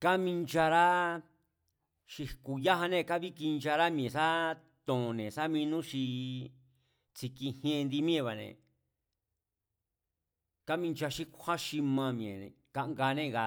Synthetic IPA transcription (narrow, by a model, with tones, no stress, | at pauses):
ka˦mĩ˧nd͡ʒa˧ɾa˦ | ʃi˧ku˨ja˦ɦa˧nẽ˦˨ka˦βi˦ki˧nd͡ʒa˧ɾa˦mĩ˧ẽ˨sa˦ | t̪õ˨nẽ˨sa˦mĩ˧nũ˦ʃi˧ | t͡si˧kĩ˧hẽ˧nd̪i˧mĩ˦ẽ˧˨βa˨nḛ̃˨ | ka˦mĩ˧nd͡ʒa˧ʃi˦kʷha˦ʃi˧mã˧mĩ˨ḛ̃˨ka˧ʔŋɡa˧nẽ˦˨˧ɣa˧